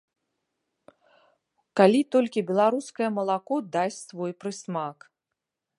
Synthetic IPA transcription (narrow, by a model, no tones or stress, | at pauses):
kalʲit̪ɔlʲkʲibʲɛlˠaɾuskɐjɐmɐlˠakɔd̪asʲt͡sʲsvɔjpɾɨsmak